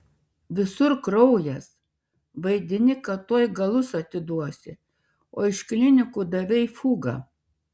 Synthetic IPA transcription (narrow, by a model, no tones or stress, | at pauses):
ʋʲɪsʊɾkɾɔʊjɛs | ʋɐɪd̪ʲɪnʲɪkɐt̪uɔjɡɐlˠʊsɐt̪ʲɪd̪uɔsʲɪ | oːɪʃklʲɪnʲɪkuːd̪ɐʋʲɛɪfuːɡɐ̰